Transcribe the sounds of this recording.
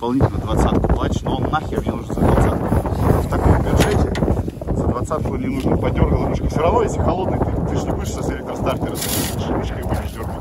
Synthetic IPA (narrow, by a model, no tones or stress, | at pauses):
pɐlˠnʲitʲɪlʲnəd̪vɐt̪sat̪kʊplˠatʲɪ̥ʂnoonːaxʲevnʲeɛnuʐnzəd̪vɐt̪sat̪kʊft̪ɐkompʲɐd̪ʐɛtʲɪ | zəd̪vɐt̪sat̪kənʲɪnuʐnəpɐdʲːorɡəlˠəmuʂkʲɪfsʲɪvɾɐvno̞jesʲlʲɪxɐlˠod̪nɨjt̪ɨʂnʲɪbɨʂsəsʲɪlʲek̚t̪ɾəst̪art̪ʲɪɾəsʲit̪ɨʂnʲɪmɨʂkʲbud̪ʲɪʂd̪ʲorɡ